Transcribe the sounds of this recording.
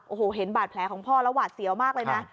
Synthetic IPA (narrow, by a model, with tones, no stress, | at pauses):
ʔoː˨˩hoː˨˩ɦe˩˦nbaː˨˩t̪̚pʰlɛː˨˦˥kʰɔː˩˦ŋpʰɔː˥˩lɛ˧˦˥waː˨˩t̪̚si˨˩˦əwmaː˥˩k̚lɤː˧na˦˥